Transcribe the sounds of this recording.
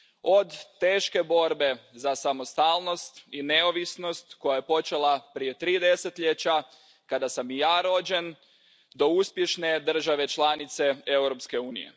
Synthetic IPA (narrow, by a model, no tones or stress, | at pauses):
o̞d̪ːe̞ːʃke̞bo̞ɾbe̞zasamost̪aːlˠno̞st̪ine̞oʋisno̞st̪ko̞jajepo̞t͡ʃe̞lˠapɾije̞t̪ɾiːd̪e̞set̪ʎet͡ɕa | kad̪asamijaːɾo̞d͡ʑe̞n | d̪o̞uspje̞ʃne̞d̪r̩ʒaʋe̞t͡ʃlˠanit̪se̞ewɾo̞pske̞uːnḭje̞̰